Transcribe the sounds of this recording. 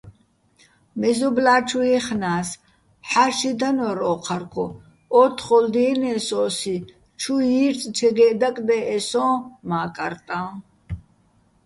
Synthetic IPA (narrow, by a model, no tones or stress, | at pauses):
mɛzɔblaːt͡ʃʰujɛχnaːs | ħaʃid̪anɔɾɔːqʰaɾkʰɔ | ɔt̪ʰχɔld̪inɛːsɔːsi | t͡ʃʰuiɾt͡sʼt͡ʃʰɛɡɛd̪akʼd̪ɛʔɛsɔ̃ːmaːkʼa̰ɾt̪ʼã